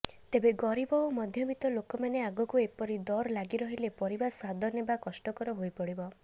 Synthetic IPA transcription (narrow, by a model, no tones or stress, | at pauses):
t̪ebeɡɔɾibɔomɔd̪ʱjɔbit̪ɔlokɔmaneaɡɔkuepɔɾid̪ɔɾlaɡiɾɔɦilepɔɾibaswad̪ʱɔnebakɔsʈɔkɔɾɔɦojpɔɽibɔ